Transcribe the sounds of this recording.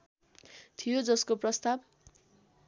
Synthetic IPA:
t̪ʰijod͡zʌskoprʌst̪ab

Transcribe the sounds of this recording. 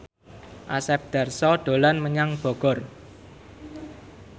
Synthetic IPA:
ʔasɛp̚d̪̥a̤rsɔɖ̪̥o̤lanməɲaŋb̥ɔ̤ɡ̥ɔ̤r

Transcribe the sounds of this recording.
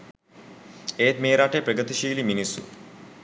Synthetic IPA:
eːt̪meːɾaʈepɾəɡət̪iʃiːliminisːṵ

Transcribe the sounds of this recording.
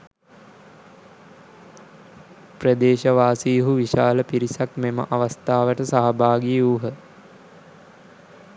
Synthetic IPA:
prəd̪eːʃəʋaːsiɦuʋiʃaːləpiɾisakmemə̰ʔaʋast̪aːʋəʈəsaɦabaːɡijuːɦə

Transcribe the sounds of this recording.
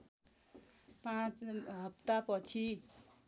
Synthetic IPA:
pãt͡sɦʌp̚t̪apʌt͡sʰi

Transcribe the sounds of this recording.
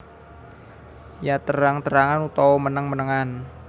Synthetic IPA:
jat̪əɾaŋt̪əɾaŋanut̪ɔɔmənəŋmənəŋan

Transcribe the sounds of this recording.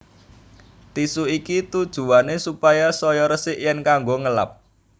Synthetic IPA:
t̪isuikit̪ud̥ʒ̥ṳwanesupajasɔjɔɾəsɪʔjɛnkaŋɡoŋəla̰p̚

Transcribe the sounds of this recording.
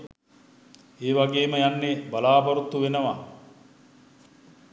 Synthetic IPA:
eːʋaɡeːməjanːebɐlaːbɐɾut̪ːuʋenəʋa

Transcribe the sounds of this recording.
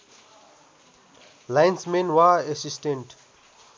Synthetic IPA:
lajnsmenwaesisʈẽɳʈ

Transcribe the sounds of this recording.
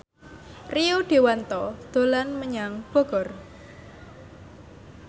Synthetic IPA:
riud̪̥i̤want̪ɔd̪̥o̤lanməɲaŋb̥ɔ̤ɡ̥ɔr

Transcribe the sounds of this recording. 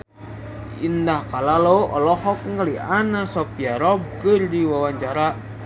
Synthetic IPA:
indahkalaloɔ̰lɔhɔk̚ŋɡalianasɔpiaɾɔb̚kɨrdiwawaɲt͡ʃaɾa

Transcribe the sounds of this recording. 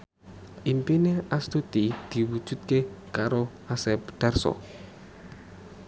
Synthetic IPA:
ʔimpineast̪ut̪id̪̥i̤wud̥ʒ̥ṳt̪̚kekaɾo | asɛpɖ̪̥arsɔ̰

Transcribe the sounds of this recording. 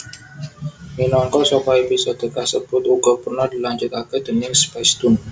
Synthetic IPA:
minɔŋkɔʔsokɔebisɔd̪̥ə̤kahsəb̥ʊt̪uɡɔpərnɔhdilaɲd͡ʒut̪akɛd̪̥ənɪŋspast̪ʊn

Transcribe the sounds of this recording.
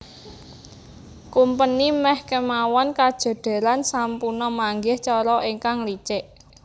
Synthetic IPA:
kumpənimɛhkəmawɔnkad̥ʒ̥a̤ɖ̥a̤lansampunɔmaŋɡɪht͡ʃɔɾɔʔiŋkaŋlit͡ʃɪʔ

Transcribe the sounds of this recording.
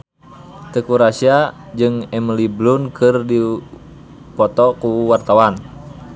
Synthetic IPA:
t̪əkuɾasiad͡ʒɨŋɛməliblunkɨrdi | pɔt̪ɔkuwart̪awan

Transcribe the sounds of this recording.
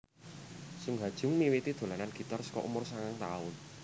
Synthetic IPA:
suŋɡad̥ʒ̥ʊ̤ŋmiwit̪id̪̥o̤lananɡ̥i̤t̪arskɔʔṵmʊrsaŋaŋt̪aʊn

